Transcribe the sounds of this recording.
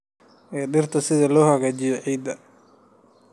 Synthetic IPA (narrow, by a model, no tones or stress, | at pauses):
ʔɛːɖɪrt̪ʰɐsɪðɐlɔːhɐɣaːt͡ʃɪjɔʕiːd̪ɐ